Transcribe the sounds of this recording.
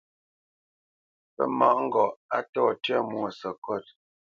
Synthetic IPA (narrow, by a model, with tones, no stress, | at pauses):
pə̰˦ma˨ʔŋ̩˦ɡɔ˨ʔa˦tɔ˦˨tɥɛ˦˨mwo˨sə˨kɔ˦˨t̚